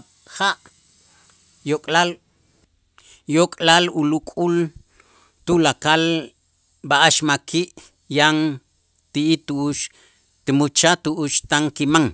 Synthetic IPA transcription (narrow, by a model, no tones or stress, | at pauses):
χaʔ | jokʼlal | jokʼlalulukʼul | t̪ulakal | baʔaʃmakʰiːʔ | jaŋ | t̪iʔit̪uuʃ | t̪imut͡ʃat̪uʔuʃt̪aŋkimaŋ